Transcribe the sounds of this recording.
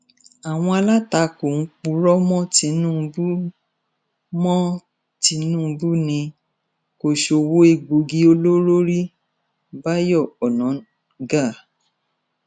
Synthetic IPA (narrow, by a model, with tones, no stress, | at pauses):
a˨w̃ɔ̃˧a˧la˦ta˧ko˨ŋ̩˦k͡pu˧˦ɾɔ˦mɔ̃˦ti˧˦nũ˦˧bu˦ | mɔ̃˦ | ti˧˦nũ˦˨˧bu˦nĩ˧ | ko˨ʃo˨wo˦e˧ɡ͡bo˧ɡi˦o˧lo˦ɾo˦ɾi˦ | ba˦jɔ˦˨ɔ˨nɔ̃˨˦ | ɡa˦˨